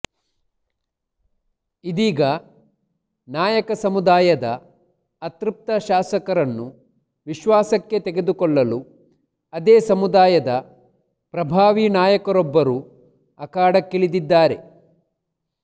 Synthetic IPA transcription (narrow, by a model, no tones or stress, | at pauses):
id̪iːɡɐ | naːjɐkɐsɐmud̪aːjɐd̪ɐ̰ː | t̪ɾup̚t̪ɐʃaːsɐkɐɾɐnːu | ʋiʃʋaːsɐkːe̞t̪eɡe̞d̪ukɔɭːɐlu | ɐd̪eːsɐmud̪aːjɐd̪ɐ | pɾɐbʱaːʋinaːjɐkɐɾɔbːɐɾuː | ɐkaːɽɐkːeɭid̪id̪ːaːɾe̞̰